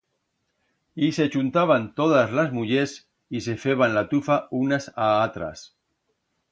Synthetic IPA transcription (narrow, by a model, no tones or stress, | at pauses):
iset͡ʃunt̪aβant̪oðazlazmuʎes | isefeβanlat̪ufaunasaat̪ɾa̰s